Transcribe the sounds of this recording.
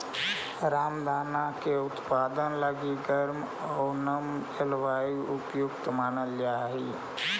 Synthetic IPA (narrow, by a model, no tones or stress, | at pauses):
ɾaːmd̪ʱaːnakeʊt̪paːd̪ənləɡiɡəɾm | ɔːnəm | elʋaːiʊpjʊkt̪maːnəld͡ʒaːɦiː